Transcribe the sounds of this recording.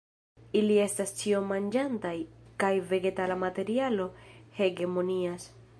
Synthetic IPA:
ilie̞stast͡ʃio̞mand͡ʒantajkajve̞ɡe̞talamate̞ɾialo̞he̞ɡe̞mo̞nias

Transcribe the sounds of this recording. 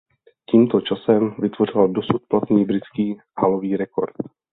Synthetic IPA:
ciːmt̪ot͡ʃasɛmvɪt̪vo̞r̝ɪldosut̪̚plat̪niːbɾɪt͡skiː | haloviːɾɛko̞̰ɾt̪

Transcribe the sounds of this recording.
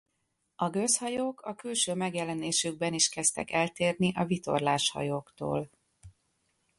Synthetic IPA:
ɒɡøshɒjoːkʰɒkylʃøːmɛɡjɛlɛneːʃyɡ̚bɛniʃkɛst̪ɛ̰kɛlt̪eːrniʔɒvit̪o̞̰rlaːʃhɒ̰joːkt̪o̰ːl

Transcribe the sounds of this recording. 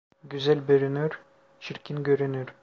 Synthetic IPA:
ɡʲyzælʲbøɾynyɾ | t͡ʃʰiɾkʲinɡʲøɾynyɾ

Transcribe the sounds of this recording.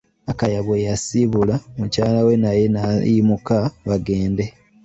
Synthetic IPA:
akajaβwejasiβulamucaːlawe̞naje̞najimukaβaɡe̞ːnde̞

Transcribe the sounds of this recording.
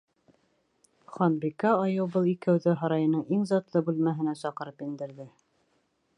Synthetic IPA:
χɒnbikæɑjɤwbɤlˠikɘ̆wðɘɦɑɾɑjɤ̆nɤɴiŋzɑt̪lˠɤbʉlmæɦɘ̆næsɑqɤ̆ɾɤpjĭnd̪ɘ̆ɾðɘ

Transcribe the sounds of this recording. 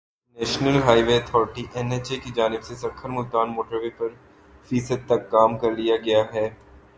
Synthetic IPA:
nɛːʃnəlɦaːɪʋeɐt̪ʰɔːɾɪʈiʔɛnet͡ʃekid͡ʒaːnɪbsesɐkʰːəɾmʊlt̪aːnmoːʈəɾʋepɐɾ | fiːsəd̪̚t̪ɐkːaːmkɐɾlijaɡɐjaɦɛː

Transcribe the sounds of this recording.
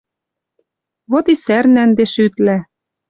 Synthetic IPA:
βot̪isærnænd̪eʃyt̪læ

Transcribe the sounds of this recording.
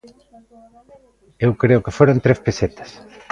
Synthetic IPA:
ewkɾeʊkɪfoɾont̪ɾespeset̪ḁs

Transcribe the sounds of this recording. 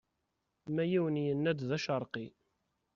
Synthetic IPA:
mæjiwənjənːæd̪ðæʃəɾˤqi

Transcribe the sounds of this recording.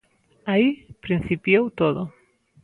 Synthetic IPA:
aipɾinθipjowt̪oðo

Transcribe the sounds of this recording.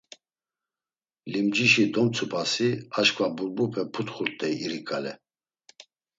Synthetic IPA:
limd͡ʒiʃid̪ɔmt͡sʰupʰasiaʃkʰʼvabuɾbupʰɛpʰut̪χuɾt̪ʼɛiɾikʼalɛ

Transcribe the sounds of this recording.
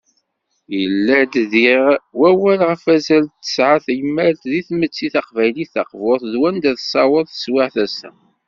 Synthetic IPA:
jəlːæd̪ðiʁwæwælʁəfæzælt̪ːə̥sʕaθjəmːæɾt̪ðiθmət͡sːiθɑqvæjliθɑ̰qvʊɾθðwænd̪æθsˤɑwəðˤθə̥swɪʕθæsæ̰

